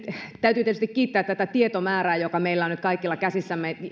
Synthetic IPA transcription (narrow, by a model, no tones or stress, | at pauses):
t̪æyt̪yːt̪et̪yst̪ikkiːt̪ːæːt̪t̪ːæt̪æt̪iet̪omæːræːjokɑmeilːæonyt̪̚kɑikːilːɑkæsisːæmːe